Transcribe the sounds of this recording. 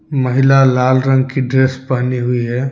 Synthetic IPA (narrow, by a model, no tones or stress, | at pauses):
mɐɦɪlalaːlɾə̃ŋɡkiɖɾeːspaːniɦʊiɦɛː